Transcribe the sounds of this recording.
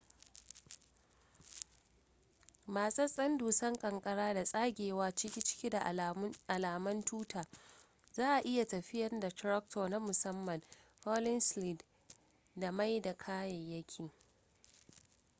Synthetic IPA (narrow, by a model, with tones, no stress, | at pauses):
maː˨sɐ˦sʼɐ˦nduː˨sɐ˦ŋkʼɐ˨ŋkʼɐ˦ɽaː˦da˨sʼaː˦ɡʲeː˨waː˦t͡ʃɪ˦kʲi˦t͡ʃɪ̥˦kʲi˦da˨ʔʔa˨laː˨mɐ˦ntuː˦taː˨ | zaː˦ʔa˨ʔɪ˦ja˨tɐ˨ɸɪ˦jɐ˨rda˨tɾɐ˦k̚tʰoː˨na˦mʊ˨sɐ˦mːɐ˨n | ho˦lɪ˦nsli˦˨d | da˨ma˦jda˨kʰaː˦jɐ˨ɲːɐ˦kʲʰiː˨